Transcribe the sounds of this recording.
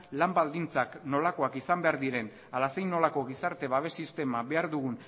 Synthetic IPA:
lambald̪int͡sakno̞lako̞akisambe̞aɾd̪iɾe̞n | alase̞jno̞lako̞ɣ̞isaɾt̪e̞βaβ̞e̞sist̪e̞maβe̞aɾðuɣun

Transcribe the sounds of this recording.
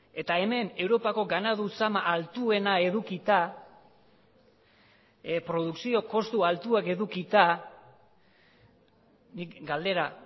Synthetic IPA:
e̞t̪ae̞me̞ne̞wɾo̞pako̞ɡanaðusamaʔalt̪ue̞nae̞ðukit̪a | pɾo̞ðuksio̞ko̞st̪ualt̪uake̞ðukit̪a | nikɡald̪e̞ɾa

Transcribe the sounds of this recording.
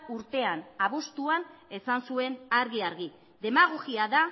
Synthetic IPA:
uɾt̪e̞anaβust̪uane̞sansue̞naɾɣiaɾɣi | ðe̞maɣoɣiaða

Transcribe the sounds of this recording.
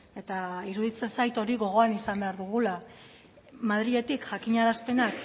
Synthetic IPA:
e̞t̪aiɾuðit͡se̞nsajt̪o̞ɾiɣo̞ɣ̞o̞anisambe̞aɾðuɣ̞ula | maðɾie̞t̪ikʝakiɲaɾaspe̞nak

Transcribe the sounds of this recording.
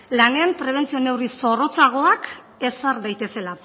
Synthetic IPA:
lane̞ampɾe̞β̞e̞nt͡sio̞ne̞wriso̞ro̞t͡saɣ̞o̞ak | e̞saɾd̪ajt̪e̞se̞la

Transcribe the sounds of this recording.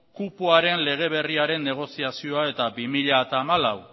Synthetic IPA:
kupoaɾe̞nle̞ɣ̞e̞β̞e̞riaɾe̞nːe̞ɣ̞o̞siasio̞ae̞t̪abimiʎat̪aːmalaw

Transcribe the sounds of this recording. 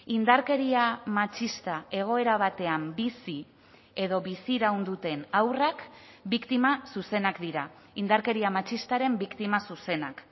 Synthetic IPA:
ind̪aɾke̞ɾiamat͡ʃist̪ae̞ɣ̞o̞e̞ɾaβ̞at̪e̞ambisi | e̞ðo̞βisiɾawnd̪ut̪e̞nawrak | bikt̪imasuse̞nakd̪iɾa | ind̪aɾke̞ɾiamat͡ʃist̪aɾe̞mbikt̪imasuse̞nak

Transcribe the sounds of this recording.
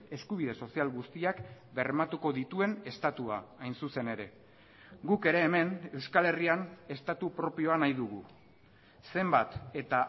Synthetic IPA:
e̞skuβ̞iðe̞so̞sialɣust̪iakbe̞rmat̪uko̞ðit̪ue̞ne̞st̪at̪ua̰ːjnsuse̞ne̞ɾe̞ | ɡuke̞ɾe̞ːme̞ne̞wskale̞riane̞st̪at̪upɾo̞pio̞anajðuɣ̞ṵ | se̞mbat̪e̞t̪a

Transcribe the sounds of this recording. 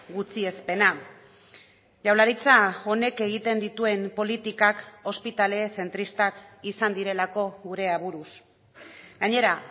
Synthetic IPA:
ɡut͡sie̞spe̞na | ʝawlaɾit͡sao̞ne̞ke̞ɣ̞it̪e̞nd̪it̪ue̞mpo̞lit̪ikako̞spit̪ale̞θe̞nt̪ɾist̪akisand̪iɾe̞lako̞ɣuɾe̞aβuɾus | ɡ̥aɲe̞ɾa

